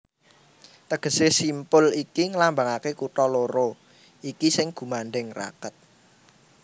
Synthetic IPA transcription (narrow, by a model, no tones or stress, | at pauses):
t̪əɡ̥ə̤sesimpʊlikiŋəlambaŋakekuʈɔloɾo | ikisɪŋɡ̥ṳmaɳɖɛŋra̰kət̪̚